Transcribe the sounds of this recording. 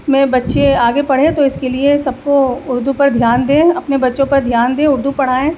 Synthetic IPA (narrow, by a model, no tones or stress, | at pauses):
mɛ̃ːbɐtːʃeaːɡepɐɽ̤ẽt̪oɪskeliesɐb̚koʊɾd̪upɐɾd̪ʱjaːnd̪ẽːɐpnebɐtːʃõpɐɾd̪ʱjaːnd̪ẽːʊɾd̪upɐɽ̤aːẽː